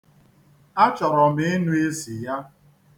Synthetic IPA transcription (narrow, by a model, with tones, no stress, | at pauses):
a˦t͡ʃɔ˨ɾɔ˨m̩ɪ˦nu˦e˦si˨ja˦